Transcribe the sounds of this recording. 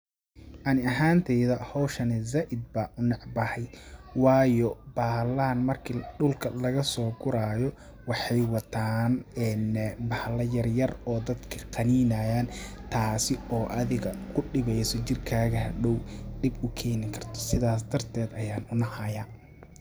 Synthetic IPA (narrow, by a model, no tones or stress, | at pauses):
ʔɑnɪɐɦaːnt̪ʰɛjðɐhɔwʃɐnɪzaʔɪd̪̚bɐʔʊnɑʕbɐhɛjwɑːjɔbaːhlaːnmɐrkʰiɖʊlkʰɐlɐɣɐsɔːɡʊɾaːjɔ | wɑħɑjwɑt̪ʰaːnɛnbɐhlɐjɐrjɐrɔːd̪ɐd̪kʰɐ̥qɑniːnaːjaːnt̪ʰaːsɪɔːʔɐðɪɣɐkʰʊɖɪβɛjsɔt͡ʃɪrkʰaːɣɐɦɐɖɔwɖɪbʊkʰɛːnɪŋkʰɐrt̪ʰɔ̥sɪðaːs̬d̪ɐrt̪ʰɛːd̪ɐjaːnʊnɐhɐjaː